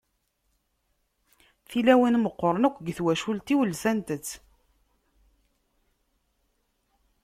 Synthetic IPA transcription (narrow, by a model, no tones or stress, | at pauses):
θilæwənməqːəɾˤənəkʷːɡθwæʃult̪iwəlsænt̪ət͡sː